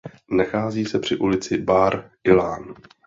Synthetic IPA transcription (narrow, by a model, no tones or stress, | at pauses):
naxaːziːsɛpr̝̥ɪʔulɪt͡sɪbaːɾʔɪlaːn